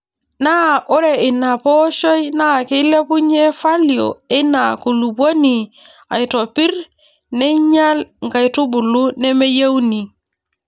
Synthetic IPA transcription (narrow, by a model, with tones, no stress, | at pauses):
na˦ʔo˦ɾe˨ɪ˨na˨pɔ˦ʃɔ˦jna˦˨ki˦le˦pu˦ɲe˦fa˦lio̰˨ɪ˦na˨ku˨lu˨bo˦ni˨ | a̰˨jto˨pi˦ɾ | nɛ˦ɲa˦lŋ˨ɡa˨jtu˦bu˨lu˦ne˦me˦je˦wni˨